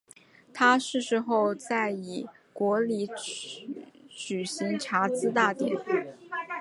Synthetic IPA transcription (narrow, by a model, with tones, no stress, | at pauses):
t̪ʰa˥ʂɻ̩˥˩ʂɻ̩˧˥xo˥˧ʊt͡sa˥˩ɪi˨˩ | kwɔ˧˥li˧˥ | t͡ɕy˨˩ɕi˧˥ŋʈ͡ʂʰa˧˥t͡sɹ̩˥t̪a˥˩t̪jɛ̰˨˩˦n